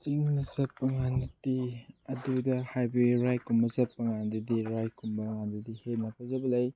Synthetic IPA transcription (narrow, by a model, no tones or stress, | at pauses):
siŋnɐsɐpːɐŋanɐtiɐdudɐhajbɐɡiɾajkumbɐsɐpːɐŋandudiɾajkumbɐŋandudihetnɐpʰazɐbɐlɐj